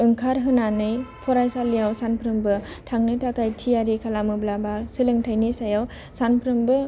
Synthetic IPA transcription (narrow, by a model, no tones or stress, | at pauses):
ɯŋkʰaɾɦɯnanɯjpʰɔɾajsalijawsanpʰɾɯmbɯtʰaŋnɯtʰakajtʰijaɾikʰalamɯblabasɯlɯŋtʰajnisajaw | sanpʰɾɯmbɯ